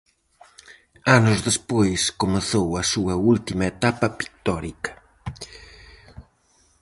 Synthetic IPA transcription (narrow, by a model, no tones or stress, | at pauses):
anʊzðespojskomeθowɐsuɐult̪imɐet̪apɐpi̥k̚t̪ɔɾikɐ̥